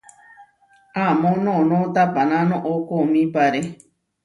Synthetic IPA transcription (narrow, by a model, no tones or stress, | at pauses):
amõnõnõt̪apanãnõʔokomĩpaɾe